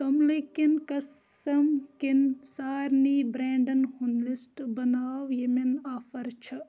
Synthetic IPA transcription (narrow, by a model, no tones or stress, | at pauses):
t̪omlekinkɐsɐmkinsaːɾniːbɾeːɳɖɐnhunlisʈbɐnaːʋjeminaːfɐɾt͡ʃʰɐ